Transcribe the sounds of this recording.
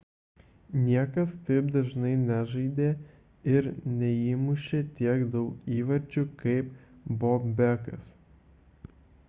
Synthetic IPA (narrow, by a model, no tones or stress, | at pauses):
nʲiɛkɐst̪ɐɪp̚d̪ɐʒnɐɪnʲæʒɐɪd̪ʲeː | ɪɾnʲɛiːmʊʃʲeːt̪ʲiɛkd̪ɐʊkiːʋɐɾʲd͡ʒʲʊkɐɪpboːpbʲækɐ̰s